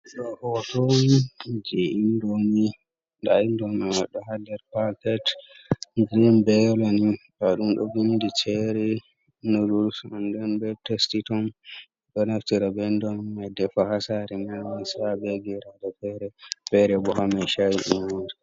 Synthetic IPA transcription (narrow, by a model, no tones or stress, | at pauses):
ɗɔʔɔtɔnid͡ʒeʔindoni | daindɔmɛmaɗɔɦadɛɾpakɛt | ɡɾinbɛlɔnifaɗumɗɔ̰ɡindit͡ʃɛɾɛ | nodulsɔndɛnbɛtɛstitɔn | ɗɔnaftiɾabɛndɔmmadɛfahasaɾɛmawasabɛɡɛɾadɔfɛɾɛfɛɾɛbɔhamajʃajiʔumondɛ